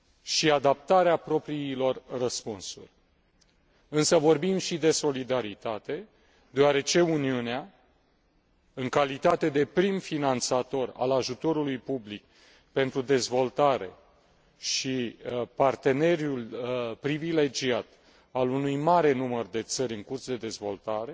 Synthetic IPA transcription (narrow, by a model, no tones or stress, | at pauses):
ʃiad̪ap̚t̪aɾeapɾo̞pɾiilo̞rrəspunsṵrʲ | ɨnsəvo̞rbimʃid̪e̞so̞lid̪aɾit̪at̪e̞ | d̪eoaɾe̞t͡ʃe̞uniunea | ɨŋkalit̪at̪e̞d̪e̞pɾimfinant̪sat̪o̞ra̰laʒut̪o̞ɾulujpublik̚ | pe̞nt̪ɾud̪e̞zvo̞lt̪aɾe̞ | ʃipart̪e̞ne̞ɾjulpɾivile̞d͡ʒiat̪ | alunujmaɾe̞numərd̪e̞t̪səɾʲɨŋkursd̪e̞d̪e̞zvo̞lt̪aɾe̞